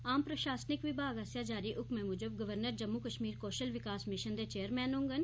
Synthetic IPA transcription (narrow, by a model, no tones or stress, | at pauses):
aːmpɾəʃaːsnɪkʋɪbʱaːɡasjaːd͡ʒaːɾiːʔʊkmẽːmʊd͡ʒəbɡəʋəɾnəɾd͡ʒəmːukəʃmiːɾkoːʃəlʋɪkaːsmɪʃənd̪eːt͡ʃeːəɾmɛːnɦʊ̃ŋɡən